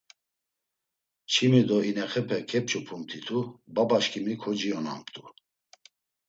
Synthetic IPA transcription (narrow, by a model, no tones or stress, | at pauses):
t͡ʃʰimid̪ɔinɛχɛpʰɛkʰɛp̚t͡ʃʰupʰumt̪ʰit̪ʰubabaʃkʰimikʰɔd͡ʒiɔna̰mt̪ʼu